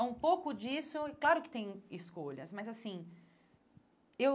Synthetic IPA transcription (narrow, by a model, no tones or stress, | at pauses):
ɛũpowkʊd͡ʒisʊklaɾʊkɪ̥t̪ẽj̃ɪskoʎɐsmɐzasĩ | ew